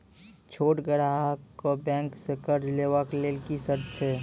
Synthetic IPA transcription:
t͡ʃʰoːʈɡəɽaɦkobɛ̃ːŋksekəɾd͡ʒleʋaklelkisəɾt͡ʃʰɛː

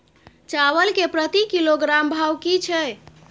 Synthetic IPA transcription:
t͡ʃaʋəlkepɾət̪ikiloɡɾambʱawkit͡ʃʰɛ

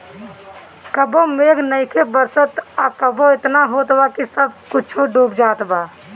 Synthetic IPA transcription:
kəbomeːɡnəɪkʰebəɾsət̪akəboɪt̪naɦoːt̪bakisəb̚kʊt͡ʃʰoɖuːbd͡ʒaːt̪baː

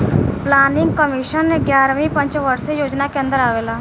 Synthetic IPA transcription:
plaːnɪ̃ŋɡ̚kəmɪːʃənːeɡjaːɾʋĩpə̃ɲt͡ʃʋəɾsejoːd͡ʒnakeə̃nd̪əɾaːʋeːlaː

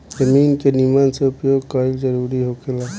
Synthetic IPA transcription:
d͡ʒɐmiːnkenimanseʊpjoːɡ̚kaiɡd͡ʒəɾuːɾiɦoːkelaː

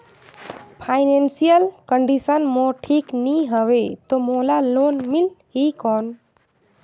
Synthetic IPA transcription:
pʰaɪnensijəlkəɳɖisənmoʈʰiːkniɦəʋet̪omolaloːnmilɦikɔːn

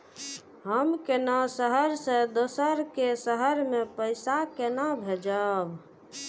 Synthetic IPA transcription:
ɦəmkenasəɦəɾsẽd̪osəɾkesəɦəɾmepəɪsakenabʱed͡ʒab

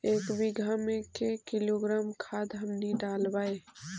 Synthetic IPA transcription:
eːkbiɡʱamekekiloɡɾaːmkʰaːd̪ɦəmniɖaːlbae

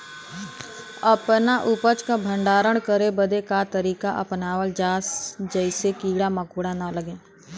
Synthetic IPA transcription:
əpnaʔʊpət͡ʃkabʱə̃ɳɖaːɾəɽ̃kəɾebəd̪ekat̪əɾiːkaʔə̰pnaːʋəld͡ʒaːsd͡ʒəɪsekiːɽaməkuːɽanaləɡẽː

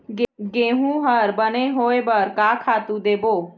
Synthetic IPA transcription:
ɡɡẽːɦũɦəɾbəneɦoːebəɾkaːkʰaːt̪ũd̪eːboː

